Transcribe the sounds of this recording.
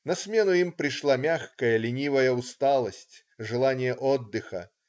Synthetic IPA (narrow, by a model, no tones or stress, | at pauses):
nɐsʲmʲenʊimpɾʲɪʂlˠamʲaxkɐjɐlʲɪnʲivɐjɐust̪alˠɐsʲtʲ | ʐɨlˠanʲɪjɐʔɔd̪ːɨxɐ̰